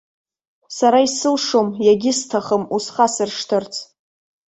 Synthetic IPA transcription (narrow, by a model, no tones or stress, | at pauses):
saɾaisɨlʂomjaɡʲɪstʰaχəmusχasɨrʂtʰɨrt͡sʰ